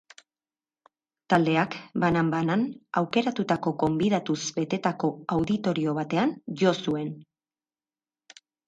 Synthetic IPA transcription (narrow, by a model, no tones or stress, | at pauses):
t̪ald̪e̞akbanambananawke̞ɾat̪ut̪ako̞ɡo̞mbiðat̪usbe̞t̪e̞t̪ako̞awðit̪o̞ɾio̞βat̪e̞anʝo̞sue̞n